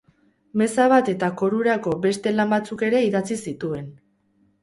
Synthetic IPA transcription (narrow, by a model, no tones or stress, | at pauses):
me̞saβ̞at̪e̞t̪ako̞ɾuɾako̞be̞st̪e̞lambat͡suke̞ɾe̞iðat͡sisit̪ue̞n